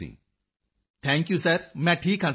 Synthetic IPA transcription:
ḭː | t̪ʰɛ̃ːŋkjusəɾmɛ̃ʈʰiːkãn

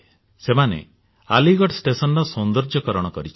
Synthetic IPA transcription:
semanḛ | a̰liɡɔʈsʈesɔnɾɔsɔnd̪ɔɾd͡ʒɔkɔɾɔɽ̃ɔkɔɾit͡ʃʰi

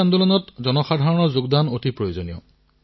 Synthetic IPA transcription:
andulɔnɔtzɔnɔxadʱaɹɔnɔzuɡdanotʰipɹojozonijɔ̰

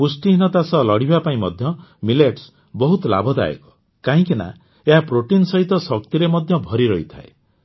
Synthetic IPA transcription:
pusʈiɦinɔt̪asɔlɔɽibapaĩmɔd̪ʱjɔmileʈs | bɔɦut̪ɔla̰bʱɔd̪a̰ḛkɔ̥ | kaɦĩkina̰ | eɦapɾoʈinsɔɦit̪ɔsɔk̚t̪iɾemɔd̪ʱjɔbʱɔɾiɾɔɦit̪ʰa̰e

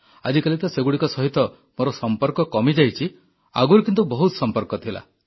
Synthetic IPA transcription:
ad͡ʒikalit̪ɔseɡuɽikɔsɔɦit̪ɔ | moɾɔsɔmpɔɾkɔkɔmid͡ʒajt͡ʃʰi | a̰ɡuɾukint̪ubɔɦut̪sɔmpɔɾkɔt̪ʰila̰

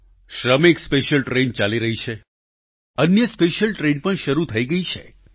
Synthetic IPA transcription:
ʃɾəmekspeʃəlʈɾent͡ʃaliɾəɦit͡ʃʰe | ənjəspeʃəlʈɾenpəɳʃəɾut̪ʰəiɡəit͡ʃʰe

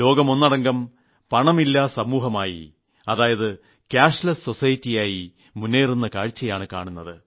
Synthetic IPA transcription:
lo̞ːɡɐmo̞nːɐɽɐŋɡɐm | pɐɳɐmilːasɐmuːɦɐmaːjḭ | ɐðaːjɐðɨ | kaːʂlɐsːo̞sɐjitːijaːji | munːeːrunːɐkaːɻt͡ɕːɐjaːɳɨka̰ːɳunːɐðɨ

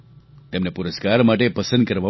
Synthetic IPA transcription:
t̪emnepuɾəskaɾmaʈepəsə̃nd̪̚kəɾʋa

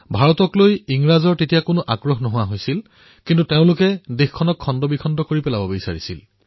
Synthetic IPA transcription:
bʱaɹɔtɔklojiŋɹazɔɹtetijakonʊʔaɡɹɔxnɔɦʊwaɦojsil | kintuteʊ̃lʊkɛdexkʰɔnɔkʰːɔndɔbikʰɔndɔkoɹipɛlabɔbisaɹisil

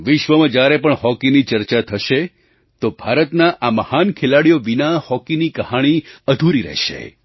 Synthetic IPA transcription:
ʋɪʃʋəmãd͡ʒjaɾepəɳhɔkinit͡ʃəɾt͡ʃat̪ʰəʃe | t̪obʱaɾət̪naʔaməhankʰelaɽijoʋinahɔkinikəhaɽ̃iəd̪ʱuɾiɾɛ̰ʃḛ

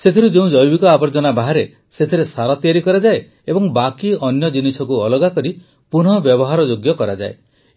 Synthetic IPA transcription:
set̪ʰiɾud͡ʒeũd͡ʒɔjbikɔabɔɾd͡ʒɔnabaɦaɾe | set̪ʰiɾesaɾɔt̪iaɾikɔɾad͡ʒae | ebɔŋbakiɔnjɔd͡ʒinisɔkuɔlɔɡakɔɾi | puɽ̤̃ɔbjɔbɔɦaɾɔd͡ʒoɡjɔkɔɾad͡ʒa̰e

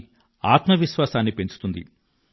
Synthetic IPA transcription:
aːt̪mɐʋiʃʋaːsaːnːipe̞ɲt͡ʃu̥t̪und̪ḭ

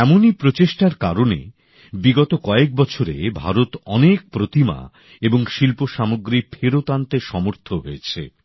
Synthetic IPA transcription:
ɛmonipɾot͡ɕeʃʈaɾkaɾonḛ | biɡɔt̪okɔek̚bɔt͡ɕʰoɾḛbʱa̰ɾot̪ɔnek̚pɾot̪ima̰ | eboŋʃilpoʃamoɡɾipʰeɾot̪ant̪eʃɔmoɾt̪ʰoɦoet͡ɕʰḛ

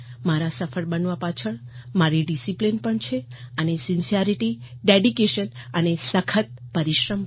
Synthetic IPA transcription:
maɾasəfʰəɭbənʋapat͡ʃʰəɳmaɾiɖisiplinpəɳt͡ʃʰeənesinsiaɾiʈiɖeɖikeʃənənesəkʰət̪̚pəɾiʃɾəm

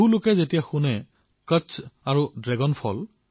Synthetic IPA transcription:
ulokɛzetijaxunɛ | kəsaɹudɹɛɡɔnpʰɔ̰l

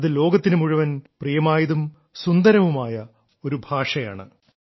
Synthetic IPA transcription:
ɐðɨlo̞ːɡɐt̪ːinɨmuɻuʋɐnprijɐmaːjɐðum | sund̪ɐɾɐʋumaːjɐ | o̞ɾubʱaːʂɐjaːɳɨ̰

